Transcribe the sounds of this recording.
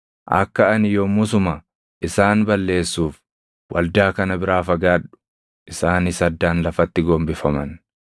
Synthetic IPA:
ʔɐ̰kːɐɐnɪjoːmʊsʊmɐ | ʔɪsaːnbɐlːe̞ːsːuːf | wʔɐ̰ld̪aːkɐnɐbɪɾaːfɐɡaːᶑʊ̥ | ʔɪsaːnɪsɐd̪ːaːnlɐfɐt̪ːɪɡoːmbɪfɐmɐn

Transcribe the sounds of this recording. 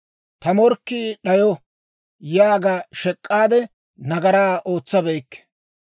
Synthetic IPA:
t̪ɐmɔɾkːiɗɐjɔ | jaːɡaʃɛkʼːaːd̪ɛ | nɐɡɐɾaːʔo̞ːt͡sːɐbɛjkːɛ̥

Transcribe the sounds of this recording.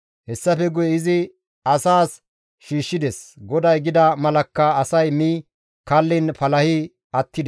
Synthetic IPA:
hɛsːɐfɛɡʊjɛɪzɪ | ɐsaːs | ʃiːʃːɪd̪ɛsɡɔd̪ɐjɡɪd̪ɐmɐlɐkːɐɐsɐjmiː | kɐlːɪnpɐlɐhɪ | ɐt̪ːɪd̪

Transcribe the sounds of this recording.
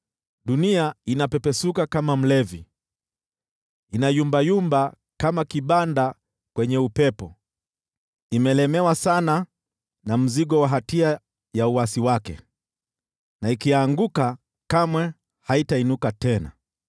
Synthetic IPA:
ɗuniainapɛpɛsukakamam̩lɛvi | inajumbajumba | kamakiɓanda | kwɛɲɛupɛpɔ | imɛlɛmɛwasana | nam̩ziɠɔwaɦatia | jauwasiwakɛ̰ | naikiaŋɡuka | kamwɛ | haitainukatɛna̰

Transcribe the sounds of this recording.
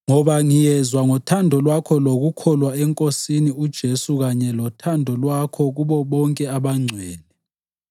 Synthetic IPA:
ŋɔɓaŋijɛzwaŋɔtʰandʱɔlwakʰɔlwoɣukʰɔlwaɛŋkʼosiniud̥ʒ̥ʱesuɣaɲɛlɔtʰandʱɔlwakʰɔɣuɓɔɓɔŋkʼɛaɓaŋ͡ǀʱwɛːlɛ

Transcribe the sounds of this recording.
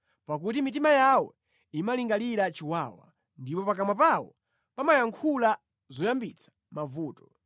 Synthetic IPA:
pak̬utimitimajawɛ̰ | imaliŋɡaliɾat͡ʃiwaːwa̰ | ndipɔpak̬amwapawɔ̰ | pamajaŋkʰula | zɔjambit͡sʰḁ | mavuːtɔ̥

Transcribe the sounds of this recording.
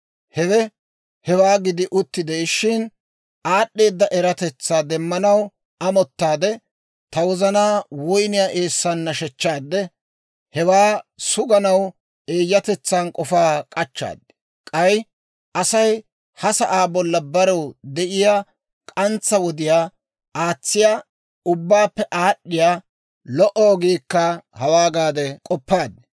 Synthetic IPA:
hɛwɛ | hɛwaːɡɪd̪ɪʔʊt̪ːɪd̪eʃɪn | ʔaːɗːe̞ːd̪ːɐʔɛɾɐt̪ɛt͡sːaːd̪ɛmːɐnɐw | ʔɐmɔt̪ːaːd̪ɛ | t̪ɐwɔzɐnaːwɔjnɪjaːʔe̞ːsːanːɐʃɛt͡ʃːaːd̪ːɛ | hɛwaːsʊɡɐnɐw | e̞ːjːɐt̪ɛt͡sːaːnkʼɔfaːkʼɐt͡ʃːa̰ːd̪ːɛ̥ | kʼɐj | ʔɐsɐj | hɐsɐʔaːbɔlːɐbɐɾɔwd̪ɛʔɪjaː | kʼɐnt͡sːɐwɔd̪ɪjaː | aːt͡sːɪjaː | ʊbːaːpːɛʔaːɗːɪjaː | lɔʔɔːɡiːkːɐhɐwaːɡaːd̪ɛkʼɔpːaːd̪ːɛ̥

